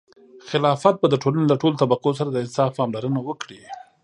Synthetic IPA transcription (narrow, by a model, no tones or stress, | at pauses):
xɪlɑfat̪̚bad̪əʈolanelaʈolot̪abaqos̬aɾad̪əɪnsɑfpɑmlaɾənawəkɽi